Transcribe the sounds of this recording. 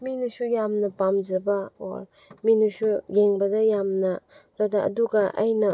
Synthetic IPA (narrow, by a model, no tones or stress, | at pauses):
minusujamnɐpamzɐbao̰ɾ | minusujeŋbɐdajamnaɾadaʔɐ̰duɡaʔa̰jnɐ